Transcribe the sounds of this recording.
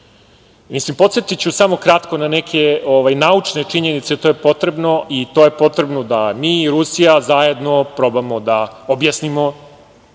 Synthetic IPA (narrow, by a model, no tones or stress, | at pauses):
mislimpo̞t̪set̪it͡ɕusamo̞kɾat̪ko̞nanekʰe̞oʋajnaut͡ʂne̞t͡ʂiɲenit̪set̪o̞ːjepo̞t̪ɾe̞bno̞ʔit̪o̞ːje̞po̞t̪ɾe̞bnod̪amiːɾusijazaje̞d̪no̞pɾo̞bamod̪aobjasnimo̞